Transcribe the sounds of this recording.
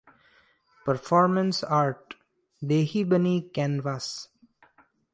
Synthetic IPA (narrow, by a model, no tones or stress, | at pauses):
pəɾfɔːɾmə̃nsaːɾʈ | ɖ̪eːhibənikɛ̃nʋaːs